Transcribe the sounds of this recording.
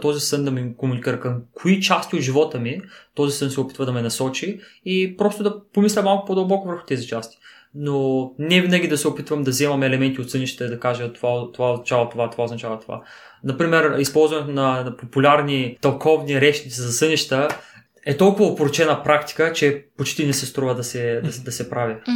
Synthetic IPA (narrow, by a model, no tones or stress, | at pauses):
t̪ɔzisənd̪ɐmikomunikʲiɾəkɐmkʰoit͡ʃast̪iot̪ʒivɔt̪əmit̪ɔzisənsɛopi̥t̪vəd̪ɐmɛnɐsɔt͡ʃiːpɾɔst̪ʊd̪ɐpomislʲɛmalˠkʊ̥pod̪əlˠbɔkovəɾxʊ̥t̪ɛzit͡ʃast̪i̥ | nonɛvinəɡʲid̪ɐsɛopit̪vɐmd̪ɐzɛmɐmɛːlɛmɛnt̪ʲiot̪sɤniʃt̪əid̪ɐkaʒət̪ovat̪ovaoznɐt͡ʃavɐt̪ovat̪ovaoznɐt͡ʃavɐt̪ova̰ | nɐpɾimɛɾispɔlˠzvɐnɛt̪onɐnpopulʲaɾnit̪ɐlˠkʰɔvniɾɛt͡ʃnit̪sizɐsɤniʃt̪ə | ɛt̪ɔlˠkʊvɐopoɾot͡ʃɛnɐpɾakt̪i̥kət͡ʃɛpot͡ʃt̪inɛsɛst̪ɾuvəd̪ɐsɛd̪ɐd̪ɐsɛpɾavi